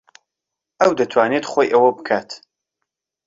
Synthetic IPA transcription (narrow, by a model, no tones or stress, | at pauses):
ʔɐwd̪ɐt̪ʰwaːnet̪χojʔɐwɐbɨkʰaːt̪